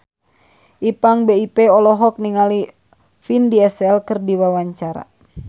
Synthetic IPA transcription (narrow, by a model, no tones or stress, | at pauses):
ʔipaŋbeipeɔlɔɦɔk̚niŋali | findiɛsɛlkərdiwawaɲt͡ʃaɾa̰